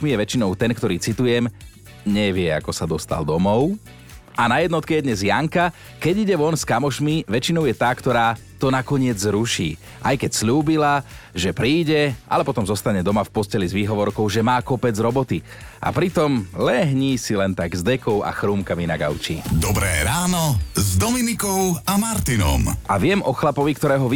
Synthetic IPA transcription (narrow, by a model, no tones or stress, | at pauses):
mijɛʋɛt͡ʃinɔʊt̪ɛnkt̪ɔɾiːt͡sit̪ujɛm | ɲɛʋɪɛa̰kɔsad̪ɔst̪a̰ld̪ɔmɔʊ | anajɛd̪nɔt̪kɛjɛd̪ɲɛzjaŋka | kɛɟiɟɛʋɔnskamɔʃmiʋɛt͡ʃinɔʊjɛt̪aːkt̪ɔɾaː | t̪ɔnakɔɲɪɛd͡zzɾuʃḭː | ʔajkɛcsʎuːbilaʒɛpɾiːɟɛʔa̰lɛpɔt̪ɔmzɔst̪aɲɛd̪ɔmafpɔscɛlizʋiːɦɔʋɔɾkɔʊʒɛmaːkɔpɛd͡zɾɔbɔt̪i | ʔa̰pɾit̪ɔmlɛɦɲiːsilɛnt̪aɡzd̪ɛkɔʊa̰xɾuːmkaminaɡa̰ʊt͡ʃḭːd̪ɔbɾɛ̰ːɾaːnɔzd̪ɔminikɔʊamaɾt̪inɔ̰mʔaʋɪɛmʔɔxlapɔʋikt̪ɔɾɛːɦɔʋ